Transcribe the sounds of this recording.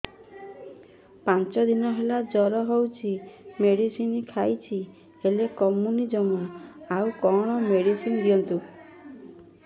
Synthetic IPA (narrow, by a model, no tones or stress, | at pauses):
pant͡ʃɔd̪inɔɦelad͡ʒɔɾɔɦowt͡ʃʰimeɽisinikʰajt͡ʃʰi | elekɔmunid͡ʒɔmaaukɔɽ̃ɔmeɽisind̪iɔnt̪u